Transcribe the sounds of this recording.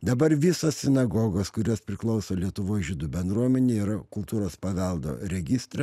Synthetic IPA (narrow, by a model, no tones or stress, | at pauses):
d̪ɐbɐɾʋʲɪsoːssʲɪnɐɡoɡoːskʊɾʲoːspʲɾʲɪklˠɒʊsoːlʲiɛt̪ʊʋoːjʒʲɪd̪uːbʲɛnd̪ɾuɔmʲɛnʲeːiːɾɐkʊlˠt̪uːɾoːspɐʋʲɛlˠd̪o̰ːɾʲɛɡʲɪst̪ɾʲɛ